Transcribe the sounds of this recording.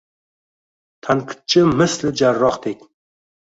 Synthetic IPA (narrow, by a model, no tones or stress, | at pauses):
t̪ʰaŋqʰɨ̥t̪̚t͡ʃʰɪmɨslɪd͡ʒarːɒχd̪ekʲ